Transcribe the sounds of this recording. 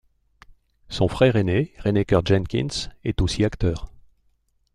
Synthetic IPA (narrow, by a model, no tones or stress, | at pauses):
sɔ̃fχɛʁeneʁenekʲœʁd͡ʒɛnkʲḭnsɛt̪osiakt̪œːʁ